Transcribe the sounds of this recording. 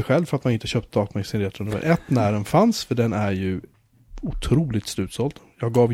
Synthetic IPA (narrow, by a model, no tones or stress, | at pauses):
ɧɛlvfœɾat̪manɪnt̪əɕœːp̚t̪əd̪ɑːt̪mɛsɪnɾɛːt̪ʰɾɔnɵmə̰ɾʔɛt̪ːnæɾənfansfœɖɛnæɾjɵ | ʊt̪ʰɾuːlɪt̪slʉ̟ːt̪sɔld̪jɑːɡɡɑːv